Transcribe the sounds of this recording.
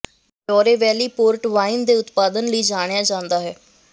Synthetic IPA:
d͡ʒɔːɾeːʋɛːliːpoːɾʈʋaːɪnd̪eːʊt̪paːd̪ənləiːd͡ʒaːɽ̃ɪjaːd͡ʒãːnd̪aːɦɛː

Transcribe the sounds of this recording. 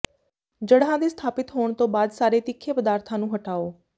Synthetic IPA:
d͡ʒəɽɦãːd̪iːst̪ʰaːpɪt̪ɦoːɳt̪õːbaːd̪saːɾeːt̪ɪkʰːeːpəd̪aːɾt̪ʰãːnũːɦəʈaːoː

